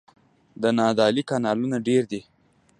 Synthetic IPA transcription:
d̪ənɑd̪ɑlikɑnɑlunaɖeɾd̪i

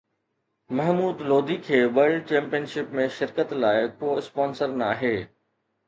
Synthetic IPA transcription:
mɐɦmuːd̪loːd̪ʱikʰeːʋəɾɭɖt͡ɕɛ̃ːmpijənʃɪpmẽʃɪɾkət̪laːɪkoːɪspɔːnsəɾnɐaːɦeː

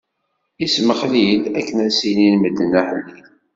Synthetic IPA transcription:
isməχlilækːənæsininməd̪ːənæhəlːi

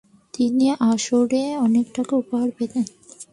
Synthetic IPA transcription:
t̪iniʔaʃoɽeɔnekʈakeupoɦaɾped̪en

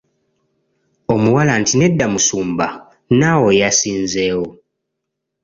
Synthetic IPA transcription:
o̞muwalantine̞dːamusuːmba | nawo̞jasiːnze̞ːwo̞

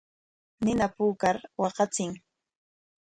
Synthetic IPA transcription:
nɪnapuːkaɾwɑɢɑt͡sɪŋ

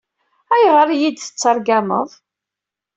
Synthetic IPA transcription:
æjʁəɾjid̪θə̥t͡sːəɾˤɡæmə̰ðˤ

